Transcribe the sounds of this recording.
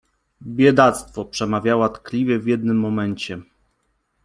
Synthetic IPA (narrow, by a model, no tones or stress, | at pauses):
bʲjɛd̪at̪st̪fɔpʂɛmavʲjawat̪klʲivʲjɛvʲjɛd̪̚nɘmːɔmɛɲt͡ɕɛ